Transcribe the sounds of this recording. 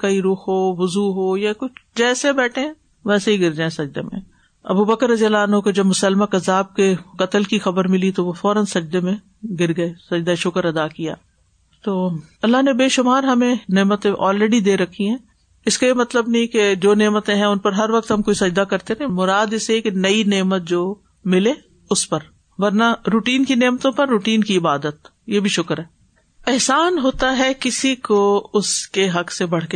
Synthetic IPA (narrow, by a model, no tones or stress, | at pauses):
kɐiɾʊxɦoːʋʊzuːɦoːjakʊt͡ʃʰd͡ʒɛːsebɛːʈʰẽɛ̃ | ʋɛːseɦiɡɪɾd͡ʒaːẽsɐd͡ʒd̪emḛ̃ | ɐ̰bubəkəɾːɐzijəlaːnɦkod͡ʒɐbmʊsəlmakɐzaːb̚kekɐt̪əlkixɐbəɾmɪlit̪oʋofɔːɾənsɐd͡ʒd̪emẽ | ɡɪɾɡɐesɐd͡ʒd̪aʃʊkəɾɐd̪aːkija̰ː | t̪oːɐlːaɦnebeːʃʊmaːɾɦɐmẽneːmət̪ẽʔɔːlɾɛɖid̪eːɾɐkʰːiɦɛ̃ː | ɪskajemɐt̪ləbnɐɦĩked͡ʒoːneːmət̪ẽɦɛ̃ʊnpɐɾɦɐɾʋɐk̚t̪ɦɐmkoːisɐd͡ʒd̪akɐɾt̪eɾĩmʊɾaːd̪ɪsekenɐineːmət̪̚d͡ʒoː | mɪleː | ʊspɐɾ | ʋɐɾnaɾuːʈiːnkineːmət̪õpɐɾːuːʈiːnkiɪbaːd̪ət̪ | jeːbʱiʃʊkɾɦɛː | ɪɦsaːnɦoːt̪aɦɛkɪsikoʊskeɦɐksebɐɽke